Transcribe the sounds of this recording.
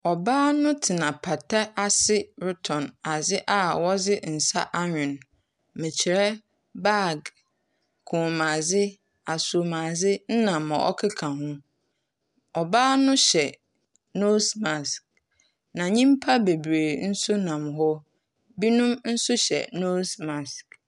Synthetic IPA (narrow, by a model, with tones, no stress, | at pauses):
ɔ˨baː˦nʊ̃˦tʰɪ˨nã˨pʰa˨tʰa˦a˨sɪ˦ɾʊ˦tʰɔ̃˨na˨zɪ˦ʔa˨wɔ˦d͡zɪ˦n̩˨sa̰˦ʔa˦ɲᶣʊ̃˨n | mɪ̃˨t͡ɕʰɪ˨ɾɛ˦ | ba˦˨ɡ | kʰũ˨mã˨zɪ˦ | a˨su˨o˨mã˨zɪ˦n̩˦nã˨mã˨ʔɔ̰˦kʰɪ˦kʰã˨ɦʊ̃˦ | ɔ˨baː˦nʊ̃˦ɕɛ˨ | no˦sma˨sk | nã˨ɲĩ˦m˦pʰa˦be˨bɾe˨n̩˦sʊ˦nã˨mɦɔ˦ | bi˦nũ˦mn̩˦sʊ˦ɕɛ̰˨no˦smã˨sk